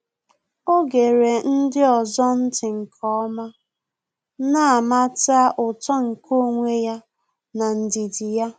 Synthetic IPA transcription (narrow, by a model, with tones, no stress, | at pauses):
o˦ɡe˨ɾe˨n̩˦dɪ˦ɔ˨zɔ˦n̩˦tɪ˨ŋ̩˨kʰɔ˦ɔ˦ma˦ | na˦a˨ma˦ta˦ʔʊ˨tɔ˦ŋ̩˨kʰo˦˨ŋʷe˦ja˦ | na˨n̩˨di˨di˨ja˦